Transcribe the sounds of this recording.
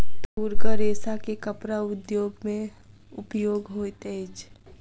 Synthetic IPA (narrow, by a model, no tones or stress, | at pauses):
t̪uɾkəɾeːsakekəpɾaʊd̪joːɡmẽ | ʊpjoːɡɦoːt̪ət͡ʃʰ